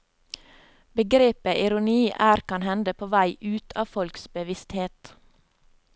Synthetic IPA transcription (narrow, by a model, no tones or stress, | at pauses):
bəɡɾeːpəʔɪɾʊniːʔæːɾkʰɑnhɛnd̪əpʰoːʋæɪʔʉːt̪ʰɑːfɔlksbəʋɪst̪heːt̪